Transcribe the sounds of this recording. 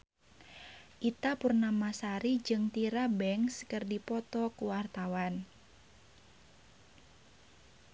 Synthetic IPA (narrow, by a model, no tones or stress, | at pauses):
ʔit̪apurnamasaɾid͡ʒɨŋt̪iɾabɛŋskərdipɔt̪ɔkuwart̪awan